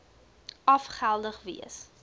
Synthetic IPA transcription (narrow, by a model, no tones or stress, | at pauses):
ʔɐfχælˠdəχvḭəs